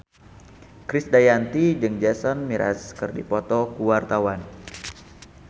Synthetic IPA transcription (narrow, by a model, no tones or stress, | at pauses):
kɾɪsdajant̪id͡ʒɨŋd͡ʒɛsɔnmiɾʔa̰skɨrdipɔt̪ɔkuwart̪awan